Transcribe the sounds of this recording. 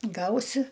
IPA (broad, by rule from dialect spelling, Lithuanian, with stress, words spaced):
ˈɡɐʊsʲɪ